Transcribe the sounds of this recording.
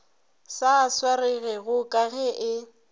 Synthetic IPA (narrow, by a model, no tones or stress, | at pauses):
saswarɪɣɛɣʊkʼaɣɛʔɪ